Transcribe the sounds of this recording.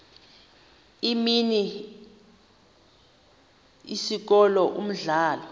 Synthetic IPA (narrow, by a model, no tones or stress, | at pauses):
imini | isik̬ɔlɔʔṵm̩ɮaːlɔ